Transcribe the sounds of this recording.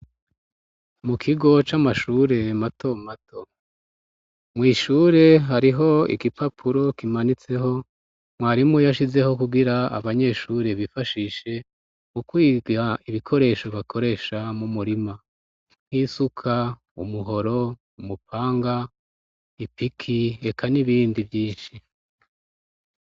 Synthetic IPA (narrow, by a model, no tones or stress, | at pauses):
mukʰiɡo̞t͡ʃamaʃuːɾe̞matʰo̞matʰo̞ | mŋiːʃuːɾe̞ɦaɾiɦo̞ḭɡipʰapʰuɾo̞kimanit͡se̞ɦo̞ | mwaːɾimŋejaʃize̞ho̞kuɡiɾaa̰βaɲe̞ʃuːɾe̞βifaʃiʃe̞ | mukwiːɡaiβikʰo̞ɾe̞ːʃo̞βakʰo̞ɾe̞ːʃamumuɾima | ŋ̥hiːsukʰa | ṵmuɦo̞ɾo̞ | umupʰaːŋɡa | ipikʰie̞kʰaniβiːndivjiːnʃi